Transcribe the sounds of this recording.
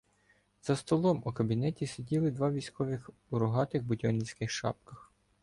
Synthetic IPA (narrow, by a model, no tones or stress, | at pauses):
z̥ɐst̪ɔlˠɔmukɐbʲinɛtʲisedʲilˠɪd̪ʋɑʋʲisʲkɔʋɪx | ʊɾʊɦɑt̪ɪxbʊdʲɔnʲisʲkɪxʃɑ̰pkɐx